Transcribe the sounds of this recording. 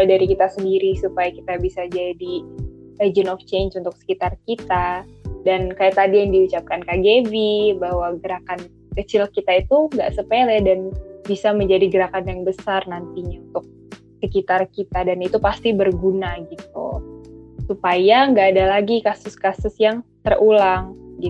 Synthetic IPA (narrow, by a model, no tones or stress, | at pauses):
daɾikit̪asəndiɾisupajaki̥t̪abisad͡ʒadi | ed͡ʒənɔft͡ʃensunt̪ʊk̚sə̥kit̪arkit̪adankajaʔt̪adijaŋdiut͡ʃap̚kankaɡevibahwaɡəɾakan | kət͡ʃɪlkit̪ait̪uŋɡa̰ʔsəpelɛdanbisaməɲd͡ʒadiɡəɾakanjaŋbəsarnant̪iɲaunt̪ʊk̚ | səkit̪arkit̪adanit̪upast̪ibərɡunaɡit̪̚ṵ | supajaŋɡaːdalaɡikasʊskasʊsjaŋt̪ərulaŋɡi